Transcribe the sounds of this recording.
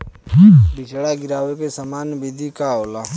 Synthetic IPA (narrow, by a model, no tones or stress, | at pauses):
bɪt͡ʃɽaɡɪɾaːʋekesəmaːnbid̪ikaoːlaː